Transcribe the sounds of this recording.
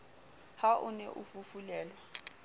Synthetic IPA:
haʔʊnɛʔufufulɛːlwa

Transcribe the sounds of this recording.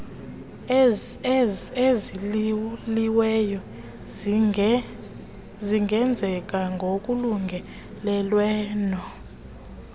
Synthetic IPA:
ezi | liwɛjɔ | ziŋɡʱɛnd͡zʱɛk̬ʼaŋɡʱok̬ʼuluŋɡʱɛ | lɛlwɛːnɔ

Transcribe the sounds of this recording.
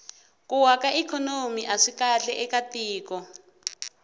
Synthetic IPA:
kuwakaʔikʰɔnomiʔaʂikaɬɛʔɛkatiːkɔ

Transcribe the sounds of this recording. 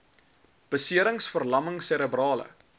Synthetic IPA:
b̥əsiəɾəŋsfərlɐməŋsɛɾəbrɑːlə̰

